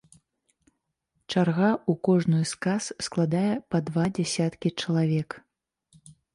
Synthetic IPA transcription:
t͡ʂarɣaukɔʐnɨjskassklˠad̪ajɛpɐd̪vad͡zʲɛsʲat̪kʲit͡ʂɐlˠavʲɛk

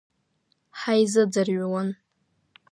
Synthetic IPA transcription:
ħajzɨd͡zarɥawan

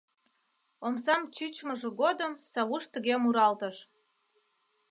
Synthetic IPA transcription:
omsɑmt͡ɕyt͡ɕməʒĕɣod̪əmsɑβuʃt̪əɣemuɾɑlt̪əʃ

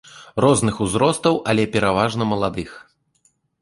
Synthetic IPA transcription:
rɔznɨxuzɾɔst̪ɐwʔalʲɛpʲɛɾavaʐnɐmɐlˠad̪ɨx

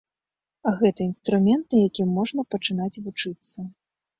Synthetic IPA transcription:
ɐɣɛt̪ɐinst̪ɾumʲɛnt̪̚nɐjakʲimːɔʐnɐpɐt͡ʂɨn̪at͡sʲvut͡ʂɨt̪sːɐ

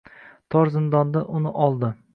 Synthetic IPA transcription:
t̪ʰɒɾzɪnd̪ɒnd̪aʔʊnɪʔɒlˠd̪ɪ

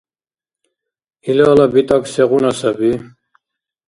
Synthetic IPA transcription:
ilaːlabit̪ʼaksɛʁunasabi

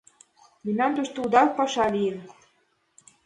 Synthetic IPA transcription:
minɑnt̪uʃt̪oud̪ɑk̚pɑʃɑlijən

